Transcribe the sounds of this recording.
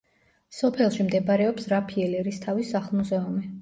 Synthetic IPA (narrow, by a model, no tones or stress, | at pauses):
sɔpʰɛlˠʃimd̪ɛbaɾɛɔpsɾapʰiɛlɛɾist̪ʰavisaχlˠmuzɛumi